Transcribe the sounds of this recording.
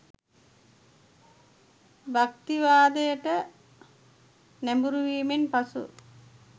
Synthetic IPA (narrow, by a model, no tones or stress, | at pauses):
bɐk̚t̪iʋaːd̪ɐjəʈə | nembuɾuʋiːminpɐsṵ